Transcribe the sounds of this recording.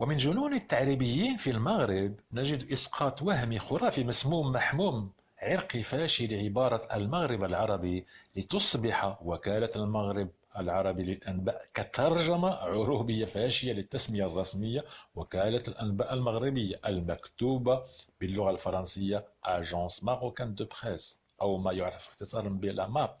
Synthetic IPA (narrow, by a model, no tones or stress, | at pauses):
wəmənʒʊnunət̪ːaʕɾibəjːiːnfilmɑɣɾəbnæʒəd̪ʔɪsqʰɑt̪wæhmixʊɾˤɑfimæsmumːaħmuːm | ʕɪɾqifæʃiləʕɪbɑɾˤɑəlmaɣɾəbəlʕɑɾˤɑbilət̪ʊsˤbɪħawækælalmaɣɾəb̚ | ʔəlʕɑɾˤɑbiləlʔænbæːʔkæt̪ʰːɑɾˤʒəmaʕʊɾubəjːafæʃəjːalət̪ːæsməjarˤːɑsməjːawækælælʔænbæʔəlməɣɾəbəjːaʔəlmækt̪ubabəlːʊɣalfɑɾˤɑnsəjːaʔaʒɑ̃smɑɣukænd̪əbxæz | ʔæwmæjʊʕɾəfəxt̪əsˤɑɾˤmbilamæ